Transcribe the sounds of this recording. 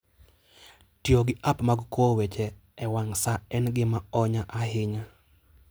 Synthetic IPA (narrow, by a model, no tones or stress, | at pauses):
tjoɡɪʔapmaɡkowɛt͡ʃɛɛwaŋsaɛnɡɪmaɔɲaʔaɦɪɲa